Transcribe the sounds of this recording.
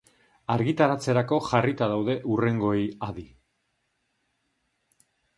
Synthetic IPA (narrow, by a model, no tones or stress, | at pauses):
aɾɣit̪aɾat͡se̞ɾako̞ʝarit̪aðawðe̞ʔure̞ŋɡo̞ejaði